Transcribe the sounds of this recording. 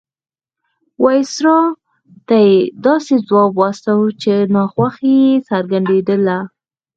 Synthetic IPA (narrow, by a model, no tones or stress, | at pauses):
wajsɾɑ | t̪ajed̪ɑsezwɑbwast̪awut͡ʃenɑxwaxjesaɾɡaɳd̪ed̪əla